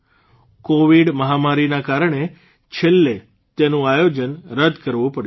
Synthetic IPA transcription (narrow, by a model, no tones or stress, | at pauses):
koʋiɽməɦamaɾinakaɾəɳe | t͡ʃʰelːe | t̪enũajod͡ʒənɾəd̪ʱkəɾʋũpəɽj